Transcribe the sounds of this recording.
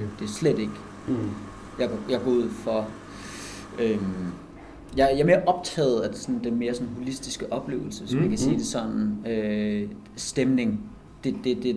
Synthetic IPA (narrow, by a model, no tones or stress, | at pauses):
d̥e̝sled̥e̝ɡ̥ | jɑ̈ɡjɑ̈ɡ̥ɒːuð̞̰ˠfɒ̽ | øm | jɑ̈jɑ̈ɐme̝ːɐʔɒ̽b̥̚t͡sʰɛ̰ːð̞̩ˠæd̥e̝sɒ̽nn̩d̥enme̝ːɐsɒ̽nɦulisd̥isɡ̥əʔɒ̽b̥le̝̰ːʊl̩səsɒ̽mænkʰæsiːd̥e̝sɒ̽n̰n̩ø | sd̥emne̝ŋ | d̥e̝d̥e̝d̥e